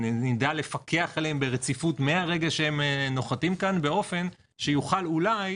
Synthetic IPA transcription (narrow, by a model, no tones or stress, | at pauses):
nidale̞fakʰe̞aχelembe̞ʁet͡sifutmeaʁe̞ɡaʃehemno̞χatimkanbe̞o̞fe̞n | ʃejuχalulaj